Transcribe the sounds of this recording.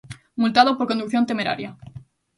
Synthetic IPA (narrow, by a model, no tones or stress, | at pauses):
mult̪aðopoɾko̞nd̪ukθjont̪eme̞ɾa̰ɾja